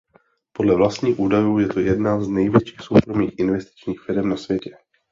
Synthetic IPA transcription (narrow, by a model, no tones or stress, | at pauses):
po̞dlɛvlast̪ɲiːxʔuːdajuːjɛt̪ojɛdnaznɛjvjɛt͡ʃiːxso̞wkɾo̞miːxʔɪnvɛst̪ɪ̥t͡ʃɲiːxfɪɾɛmnasvjɛcɛ